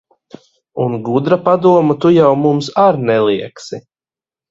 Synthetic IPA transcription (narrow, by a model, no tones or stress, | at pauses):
unɡud̪ɾapad̪uɔmat̪ujawmumsaɾnɛlˠiɛksi